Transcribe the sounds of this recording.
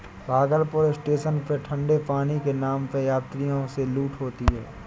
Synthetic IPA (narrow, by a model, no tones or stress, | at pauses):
bʱaːɡəɾpʊɾɪsʈeːʃənpəʈʰə̃ɳɖepaːnikenaːmpəjaːt̪ɾijõseluːʈɦoːt̪iɦɛ̰ː